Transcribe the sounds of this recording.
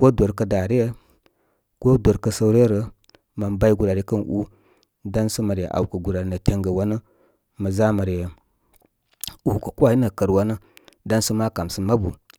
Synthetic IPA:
ko˦dʷo˨ɾkə˨da˨ɾi˦je˦ | ko˦do˨ɾkə˨sə˦wɾjɾə˨ | ma˨nba˦i˦ɡu˨ɾa˨ɾi˦kə˦nʔṵ˦ | da˦nsə˦ma˨ɾḛ˨ʔa̰˨wkə˨ɡu˨ɾa˨ɾi˨˦nə˨te˦ŋɡə˨wa˦nə˦ | mə˨za˦ma˨ɾje˨ | u˨kə˨ku˦a˨ji˦nə˨kə˨ɾwa˦nə˦da˦nsə˦ma˦ka˨msə˦ma˦bu˨

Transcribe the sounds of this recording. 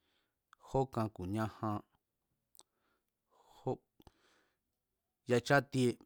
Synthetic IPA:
ho˦kã˧ku˨ɲã˦hã˧ | ho˦ | ja˧t͡ʃa˦t̪i˦e˧

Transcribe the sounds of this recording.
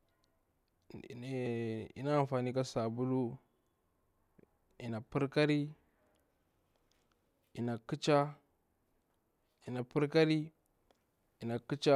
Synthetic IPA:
ḭ˨na˦a˨m˨fa˨ni˦ka˦sa˨bu˦lu˦ | i˨na˨pu˦ɾka˦ɾi˦ | i˨na˨ki˦t͡ʃa˦ | i˨na˨pu˦ɾka˦ɾi˦ | i˨na˨ki˦t͡ʃa˦

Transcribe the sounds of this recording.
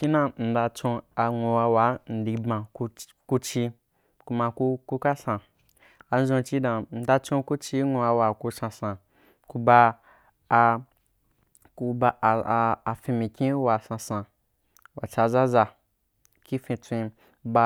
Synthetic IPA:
ki˦nã˧n̩˨da˧t͡ʃõ˧a˧ŋʷõ˧wa˧wa˨˦n̩˨di˧bã˨ku˧ | ku˧t͡ʃi˧ | ku˧ma˧ku˧ku˦ka˦sã˨ | a˧n̩˦zõ˧t͡ʃi˦dã˨n̩˨da˧t͡ʃõ˧ku˦t͡ʃi˧˦ŋʷõ˧wa˧wa˨ku˧sã˧sã˨ | ku˧ba˧ | ku˧baː˧˨˧fĩ˧mĩ˨kʲĩ˦wa˨sã˧sã˧ | wa˨t͡ʃa˧za˦za˧ | ki˦fĩ˧t͡sʷĩ˧ | ba˧

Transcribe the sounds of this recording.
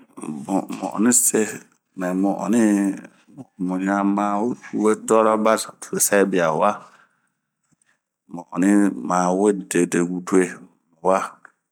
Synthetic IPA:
bʊ˨mʊ̰̃˨ɔ̰˨nɪ̃˦se˦ | mɛ̃˨mʊ˨ʔɔ̰˨nɪ˦ | m˨mũ˨ɲa˨mãː˨wu˦tu˨we˦dɔ˦ɾa˦ba˦ttʰu˨ɾe˨sa˦bi˨a˨wa˦ | mʊ̃˨ɔ̰˨nɪ˦mãː˨we˦de˨de˨ɡu˨tu˦e˦˨ | mu˨wa˦

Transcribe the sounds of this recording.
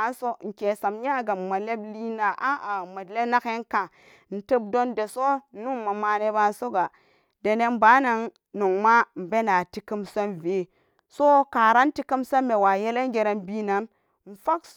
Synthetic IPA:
a˦n˦so˦ŋ̩˨ke˨sa˨mɲa˦ɡa˨ma˨le˦bli˦na˨ʔa˦˨ma˨le˦na˦ke˦ŋka˨ | n̩˨tə˦bdo˦nde˨so˦nu˦ma˨ma˦ne˦ba˦n˦so˦ɡa˨ | de˨ne˦m˦ba˦na˨ŋ | no˨ŋma˦m̩˨be˦na˨ti˦ki˦mse˦nve˨˦ | so˦ka˨ɾa˦n˦ti˦ki˦mse˦mme˨wa˨je˦le˦ŋ˦ɡe˨ɾe˦nbi˦na˨n | n̩˨fa˦k

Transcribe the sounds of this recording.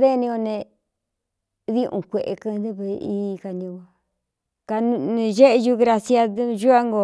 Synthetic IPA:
ðe˦nĩ˧o˧nẽ˧ | ðĩ˦ʔṵ̃˧kʷe˨ʔḛ˧˨kɨ˧d̪e˦βe˧i˦˧ka˧nĩ˧a˧ | ka˧n˧nĩ˧ʒe˦ʔe˧ʒu˦ɣɾa˧sja˧ðʒu˦a˦ŋɡo˧˨

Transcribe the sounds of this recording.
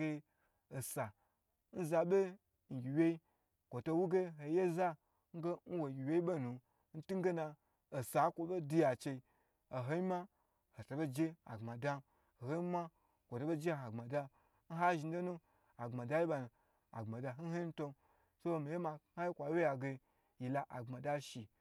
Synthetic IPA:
e˧˦ | o˨sa˨ | n̩˦za˧be˦ | n̩˨ɡʲi˨wʲe˦i˦ | kʷo˨to˧wu˦ɡe˦ɦo˨je˦za˦ | ŋ̩˦ɡe˦n̩˦wo˨ɡʲi˨wʲje˦i˦be˦nu˨ | n̩˦tu˦ŋ˦ɡe˦na˧ | o˨sa˨˦kʷo˨be˦du˦ja˨t͡ʃe˧i˧ | a˨ɦo˦i˦ma˦ | ho˨to˨be˦d͡ʒe˦a̰˨ɡ͡bma˨da˦˨ | ho˦i˦ma˦ | kʷo˨to˨˦be˦d͡ʒe˦˨ɦa˨ɡ͡ba˨da˧ | n̩˦ɦa˦ʒi˨n̩˦do˦nu˦ | a˨ŋ͡ma˨da˦ji˦ba˧nu˨ | a̰˨ɡ͡ba˨da˧˦n̩˦ɦe˦n̩˦to˦n | so˦˨mi˨je˦ma˧ha˦ji˦kʷa˨wje˦ja˨ɡe˧ | ji˨la˨ʔa˨ŋ͡mma˨da˦ʃi˨

